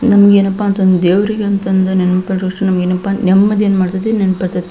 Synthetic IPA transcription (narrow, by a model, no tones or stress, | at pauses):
nɐmɐɡeːnɐpːaːnt̪ɐnd̪ud̪eːʋɐɾiɡeɐnt̪ɐnd̪unɛnmɐpɐɐkʂʈunɐmɐɡeːnɐpːanɛmːɐd̪eːnmaːɽt̪ɐd̪inenpɐɾt̪ɐt̪ːe